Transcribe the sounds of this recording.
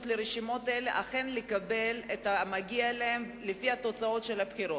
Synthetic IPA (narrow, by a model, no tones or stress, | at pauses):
tleɾeʃimo̞taeleʔaχe̞nlekabe̞letamaɡialeem | lefihato̞t͡sao̞tʃe̞lapχiɾo